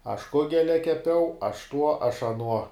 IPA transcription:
ɐʃ ˈkʊɡʲɛlʲɛ kʲɛˈpʲɛʊ ɐʃ tuɔ ɐʃ ɐˈnuɔ

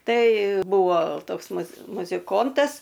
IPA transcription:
ˈtɐɪ ˈbuːʋoː ˈtoːks mʊs mʊzʲɪˈkoːntɐs

